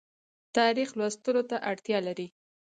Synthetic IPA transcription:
t̪ɑɾixlwast̪əlot̪aʔaɽt̪jɑlaɾi

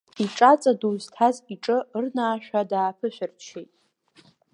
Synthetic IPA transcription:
iʈ͡ʂʼat͡sʼaduztʰaziʈ͡ʂʼɨrnaːʃᶣʷadaːpʰɨʃʷᶣɪrt͡ʃʰejtʼ

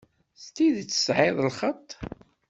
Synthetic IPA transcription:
st̪iðt͡sːə̥sʕeðˤlχət̪ˤː

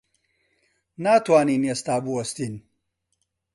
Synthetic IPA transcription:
naːt̪waːniːnest̪aːbuwɐst̪in

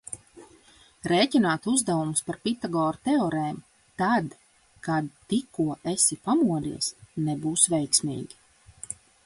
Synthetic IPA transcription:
ɾeːcinaːt̪uzd̪avumuspaɾpit̪aɡɔːɾut̪ɛɔɾɛːm | t̪ad̪ | kad̪t̪ikuɔʔesipamuɔd̪ḭɛsnɛbuːsvɛjksmʲḭːɡʲi

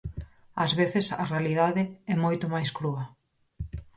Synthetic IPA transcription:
ɐzβeθɪsɐ̰realiðaðɪɛmojt̪omajskɾuɐ

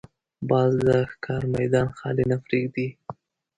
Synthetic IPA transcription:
bɑzd̪əxkʰɑɾmajd̪ɑnxɑ̰lɪnafɾiɡd̪i

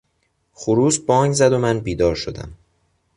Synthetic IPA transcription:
χuɾuːsbɒːŋɡzæd̪omænbiːd̪ɒːɾʃod̪æ̰m

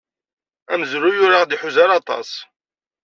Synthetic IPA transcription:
æməzɾujʊɾaʁd̪iħuzaɾɑt̪ˤɑ̰sˤ

